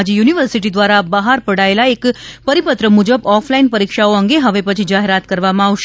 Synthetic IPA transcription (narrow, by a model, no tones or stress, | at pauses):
d͡ʒejuniʋəɾsiʈ̬id̪ʋaɾabəɦaɾpəɽaelaekpəɾipət̪ɾəmud͡ʒəbɔflainpəɾikʃaoəŋɡeɦəʋepət͡ʃʰid͡ʒaɦeɾat̪kəɾʋamãaʋʃe